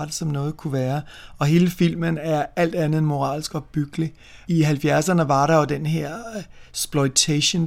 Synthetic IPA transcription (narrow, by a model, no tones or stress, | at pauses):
d̥e̥sɒ̽mnɔ̽ːð̞̩ˠkʰuʋæːɐɒ̽ɦe̝ːləfil̰mənæɐæl̰d̥ænð̞̩ˠenmo̝ʁɑ̰̈ːlsɡ̥ɒ̽b̥yɡ̥li | iɦælfjæɐsɐnəʋɑ̈ɾɑ̈jo̝d̥enɦeɐ̰sb̥lɔɪt͡sʰæɕon